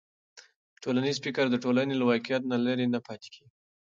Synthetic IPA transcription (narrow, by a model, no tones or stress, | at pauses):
ʈʰolanizfɪkaɾd̪əʈolanelawɑkijat̪nalaɾinapɑt̪e̥ki